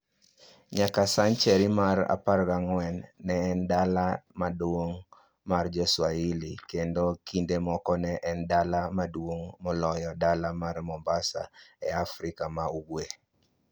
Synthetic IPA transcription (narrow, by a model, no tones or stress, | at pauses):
ɲakasaɲt͡ʃɛɾimaɾa̰parɡaŋwɛnːɛːndalamadwoŋ | mard͡ʒɔswailikendokindemɔkɔnɛʔɛndalamadwoŋmɔlɔjɔdalamarmɔmbasa̰ɛafɾikamauɡwe